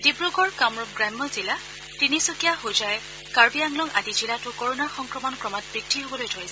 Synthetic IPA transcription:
dibɹuɡɔɹkamɹɔp̚ɡɹamːɔzila | tinisokijaɦojzaj | kaɹbiaŋlɔŋa̰dizilatʊkoɹonaɹxɔŋkɹɔmɔnkɹɔmɔt̚b̥ɹik̚tʰiɦobɔlojtʰojsɛ

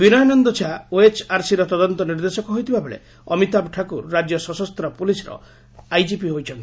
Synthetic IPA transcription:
binɔjɔnɔnd̪ɔt͡ʃʰaoet͡ʃaɾsiɾɔt̪ɔd̪ɔnt̪ɔniɾd̪esɔkɔɦojt̪ʰibabeɭḛ | ɔmit̪abʈʰakuɾːad͡ʒjɔsɔsɔst̪ɾɔpulisɔɾɔ̰ | ajd͡ʒipiɦojt͡ʃʰɔnt̪i̥

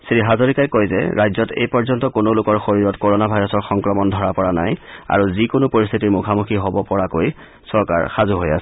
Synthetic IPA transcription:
sɹiɦazoɹikajkojzɛ̰ɹʔajzɔtḛjpɔɹzɔntɔkonolʊkɔɹxoɹiɹɔtkoɹonabʱajɹɔsɔɹxɔŋkɹɔmɔndʱɔɹapɔɹana̰ja̰ɹuzikonopoɹist̪ʰitiɹmukʰamuxʰiɦobɔpɔɹakoj | sɔɹka̰ɹxazuɦoja̰sɛ̥

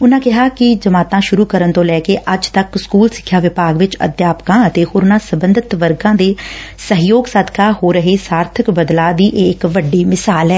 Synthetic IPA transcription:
ʊnãːkɪɦaːkɪd͡ʒəmaːt̪ãːʃʊɾuːkəɾənt̪õːlɛːkeːʔəd͡ʒt̪əkskuːlsɪ̥kʰːjaːʋɪpaːɡʋɪt͡ʃə̰d̪jaːpkãːət̪eːhoːɾʊnãːsəbənd̪ɪt̪ʋəɾɡãːd̪eːsəɦɪjoːɡsaːd̪kaːhoːɾəɦeːsaːɾt̪ʰəkbəd̪laːd̪iːʔeːɪkʋəɖːiːmɪsaːlɛː

